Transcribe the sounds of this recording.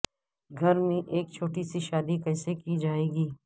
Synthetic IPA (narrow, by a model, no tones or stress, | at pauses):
ɡʱɐɾmẽʔeːk̚t͡ʃʰoːʈisiʃaːd̪ikɛːsekid͡ʒaːeːɡiː